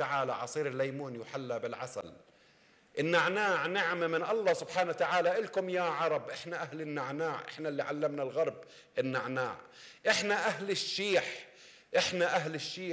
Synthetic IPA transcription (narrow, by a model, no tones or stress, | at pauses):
aʕaːla̰ʕɑ̰sˤiːɾɪlːajmuːnjɪħalːabɪlʕa̰sa̰l | ʔɪnːaʕnaːʕnɪʕmamɪnʔɑlˤːɑːsʊbħaːnat̪aʕaːlaʔɪlkʊmjaʕɑɾˤɑbʔɪħnaʔahlɪnːaʕnaːʕʔɪ̰ħnalːiʕalːamnalɣɑɾˤb | ʔɪnːaʕna̰ːʕ | ʔɪħnaʔaɦlɪʃːiːħ | ʔɪħnaʔaɦlɪʃːiː